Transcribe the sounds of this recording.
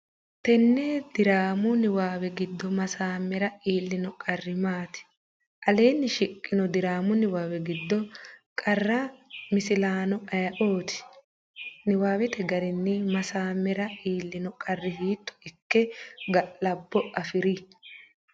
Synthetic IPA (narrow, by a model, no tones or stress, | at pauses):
t̪ɛnːɛd̪ɪɾaːmʊnɪwaːwɛɡɪd̪ːɔmɐsaːmːɛɾɐiːlːɪnɔkʼɐrːɪmaːt̪ɪ̥ | ʔɐle̞ːnːɪʃɪkʼːɪnɔd̪ɪɾaːmʊnɪwaːwɛɡɪd̪ːɔkʼɐrːɐmɪsɪlaːnɔʔɐjɐʔo̞ːt̪ɪ̥ | nɪwaːwɛt̪ɛɡɐɾɪnːɪmɐsaːmːɛɾɐʔiːlːɪnɔkʼɐrːɪhiːt̪ːɔ̥ɪkːɛɡɐʔlɐbːɔɐfɪɾi